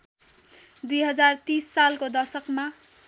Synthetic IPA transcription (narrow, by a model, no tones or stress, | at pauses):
d̪ujɦʌd͡zart̪isːalkod̪ʌrsʌkma